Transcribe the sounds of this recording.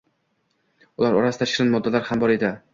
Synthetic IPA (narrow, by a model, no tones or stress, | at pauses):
ʊlaɾɒɾasɪ̥t̪ʰaʃɪɾanmɒd̪ːalaɾhambɒɾed̪ɪ